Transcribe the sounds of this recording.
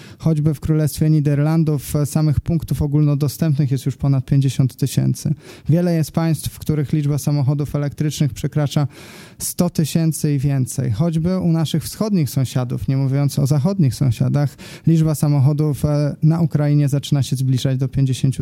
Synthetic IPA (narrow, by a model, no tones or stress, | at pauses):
xɔd͡ʑbɘfkɾulɛst̪fʲjɛɲid̪ɛɾland̪ufsamɘxpuŋkt̪ufɔɡulnɔd̪ɔst̪ɛmpnɘxjɛst̪juʂpɔnat̪̚pʲjeɲd͡ʑeɕɔnt̪ːɘɕɛ̰nt̪sɘ̰vʲjɛlɛjɛst̪̚paj̃st̪fːkt̪uɾɘxlʲiʐbasamɔxɔd̪ufɛlɛk̚t̪ɾɘt͡ʂnɘxpʂɛkɾat͡ʂa | st̪ɔt̪ɘɕɛnt̪sɘivʲjɛnt̪sɛ̰jxɔd͡ʑbɘunaʂɘxfsxɔd̪ɲixsɔ̃w̃ɕad̪ṵfɲɛmuvʲjɔnt̪sɔzaxɔd̪ɲixsɔ̰̃w̃ɕa̰d̪ax | lʲid͡ʐbasamɔxɔd̪ufnaukɾajiɲɛzat͡ʂɘnaɕɛzblʲiʐad͡ʑd̪ɔpʲjeɲd͡ʑeɕeɲt͡ɕu